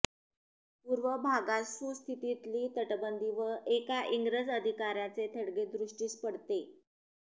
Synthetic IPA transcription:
puɾʋəbʱaɡasust̪ʰit̪it̪liːt̪əʈbənd̪iʋəʔekaʔiŋɡɾəd͡zəd̪ʱikaɾjat͡set̪ʰəɽɡed̪ɾuʂʈiːspəɽt̪e

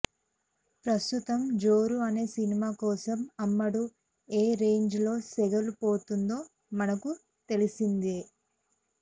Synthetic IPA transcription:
pɾɐst̪ut̪ɐmd͡ʒo̞ːɾuɐne̞ːsinimaːkɔːsɐmɐmːɐɽu | eːɾe̞ːɲd͡ʒlo̞ːsɛɡɐlupoːt̪und̪o̞ː | mɐnɐku | t̪e̞lisind̪e

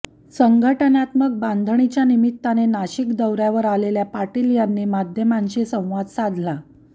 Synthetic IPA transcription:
səŋɡʱəʈənat̪mək̚band̪ʱəɳit͡ɕjanimit̪ːanenaɕikd̪əwɾjaʋəɾaleljapaʈiːljanːiːmad̪ʱjəmaɲt͡ɕisə̃w̃ʋad̪sad̪ʱla

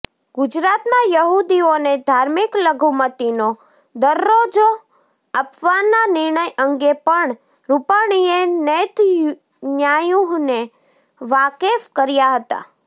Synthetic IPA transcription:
ɡʊd͡ʒɾat̪mãjəɦud̪ioned̪ʱaɾmikləɡʱumət̪ino | d̪əɾːod͡ʒo | əpʋanːanɪɾɳəjəŋɡepəɳ | ɾupaɽ̃ienɛt̪ | ɲjajuɦne | ʋakefkəɾjaɦət̪a̰

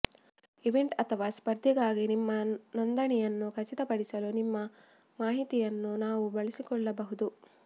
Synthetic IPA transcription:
iʋeɳʈɐt̪ʰɐʋaːspɐɾd̪ʱiɡaːɡinimːɐnond̪ɐɳɛjɐnːukʰɐt͡ʃit̪ɐpɐɽisɐlunimːɐ | maːɦit̪ijɐnːunaːʋubɐɭisikɔɭːɐbɐɦud̪u

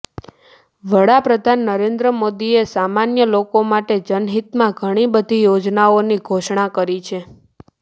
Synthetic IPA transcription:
ʋəɽapɾəd̪ʱanːəɾend̪ɾəmod̪iesamanjəlokomaʈed͡ʒənɦit̪mãɡʱəɽ̃ibəd̪ʱijod͡ʒnaoniɡʱoʃɳakəɾit͡ʃʰe

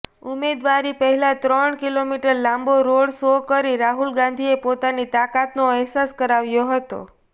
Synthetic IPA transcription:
umed̪ʋaɾipəɦɛlat̪ɾəɳkilomiʈəɾlãmboɾoɽsokəɾiɾaɦulɡãnd̪ʱiepot̪anit̪akat̪noɛɦsaskəɾaʋjoɦət̪o̰

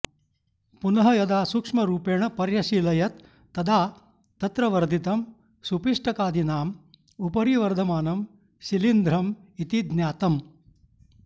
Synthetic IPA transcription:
punɐɦɐjɐd̪aːsukʂmɐɾuːpeːɳɐpɐɾjɐʃiːlɐjɐt̪ː | ɐd̪aː | t̪ɐt̪ɾɐʋɐɾd̪ʱit̪ɐm | supiʂʈɐkaːd̪ʱinaːm | upɐɾiʋɐɾd̪ʱɐmaːnɐm | ʃilind̪ɾɐmit̪id̪njaːt̪ɐm

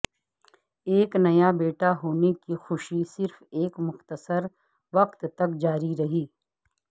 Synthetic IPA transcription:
eːknɐjabeːʈaɦoːnekixʊʃisɪɾfeːkmʊxt̪əsəɾ | ʋɐqt̪t̪ɐkd͡ʒaːɾiɾɐɦiː

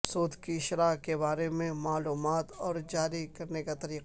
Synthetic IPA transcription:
soːd̪kiʃɾaːkeβaːɾemẽmaːluːmaːt̪ɔːɾd͡ʒaːɾikɐɾnekat̪ɐɾiːqa

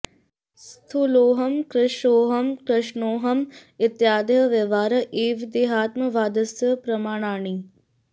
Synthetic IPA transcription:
st̪ʰuloːɦɐmkɾɪʃoːɦɐmkɾɐʃɳoːɦɐmɪt̪jaːd̪jɐʋjɐʋaːɾɐʔeːʋd̪eɦaːt̪mɐʋaːd̪ɐsɐpɾɐmaːɽ̃aːɳi

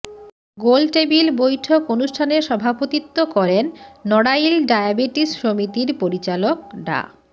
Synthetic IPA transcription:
ɡolʈebilbojʈʰokonuʃʈʰaneɾʃɔbʱapot̪it̪ːokɔɾenːɔɽajlɖajabeʈisʃomit̪iɾpoɾit͡ɕalok̚ɖa̰

